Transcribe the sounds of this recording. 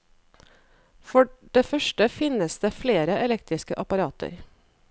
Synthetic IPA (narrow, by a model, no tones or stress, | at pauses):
fɔɖeːfœʃʈəfɪnəsd̪eːfleːɾəʔɛlɛkt̪ɾɪskəʔɑpɑɾɑːt̪ʰə̰ɾ